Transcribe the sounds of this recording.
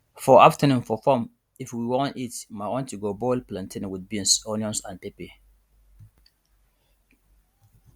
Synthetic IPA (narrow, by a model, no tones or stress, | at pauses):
fɔʔaftənũmfɔfɔm | ifwiwɔ̃ntitmaɔ̃ntuɡobɔlplãntʰĩnwid̚bĩnsɔniɔ̃nsãnepe